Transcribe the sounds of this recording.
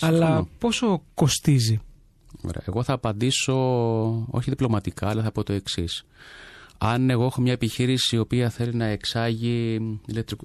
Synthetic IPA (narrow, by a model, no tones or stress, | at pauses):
ɐlɐpo̞soko̞st̪izi | o̰ɾḛɐ̰ḛɣo̞θɐːpɐnd̪iso̞ | o̰çiðiplo̞mɐt̪ikɐːlɐθɐpo̞t̪o̞e̞ksis | ɐne̞ɣo̞exo̞mɲɐepiçiɾisiːo̞piɐθe̞linɐe̞ksɐʝiilek̚t̪ɾi